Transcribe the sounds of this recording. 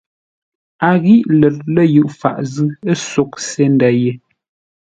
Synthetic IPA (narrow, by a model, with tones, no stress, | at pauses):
a˨ɣi˦ʔlə˨t̚lə˦jʉ˨ʔfa̰˨ʔzɨ˦ə˦so˨k̚se˦n˨da˨je˦